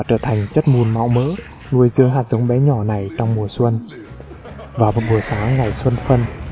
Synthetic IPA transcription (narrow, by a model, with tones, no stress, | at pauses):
a˨˩t͡ɕəː˧˩t̪ʰa˨˩jŋ̟t͡ɕə˦˥t̚mu˨˩nma̰˧˨wmə̰ː˧˥ | nu˧əjzɨ˧əŋɦaː˨˩t̚zə˨˦wŋ͡mɓɛ˨˦ɲɔ˧˩na˨˩jt͡ɕɔ˧wŋ͡mmu˨˩əswə˧n | vaː˨˩wmo˨˩t̚ɓu˨˩əsaː˨˦ŋŋa˨˩jswə˧nfə˧n